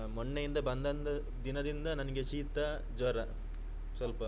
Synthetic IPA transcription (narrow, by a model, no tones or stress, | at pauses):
mɔɳːejind̪ɐbɐnd̪ɐnt̪ɐ | d̪inɐd̪ind̪ɐnɐnɐɡeʃiːt̪ɐ | d͡ʒʋɐɾɐ | sɐlpɐ